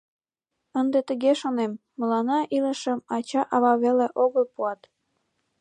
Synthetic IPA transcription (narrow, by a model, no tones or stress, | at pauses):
ənd̪et̪əɣeʃonemːəlɑnɑʔiləʃəmɑt͡ɕɑʔɑβɑβeleʔoɣəlpuɑt̪